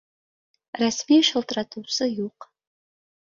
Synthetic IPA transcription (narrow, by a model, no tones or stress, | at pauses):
rasmiːʃɐlˠtʰratʰusɨjuːq